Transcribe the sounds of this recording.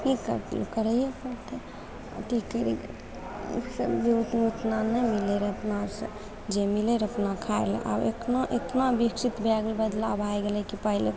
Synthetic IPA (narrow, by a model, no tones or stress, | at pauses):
kikə̰ɾt̪lkəɾəjekəɾt̪ʰe | ʈikːəɾḭ | sə̰bd͡ʒeut̪nut̪nanəmileɾəpnasə̰̃ | d͡ʒemileɾəpnakʰaḛɾlɛ̰ʔa̰beknaʔet̪nabiksit̪bʱɛɡlbəd̪laəbʱajɡelɛkipəɦile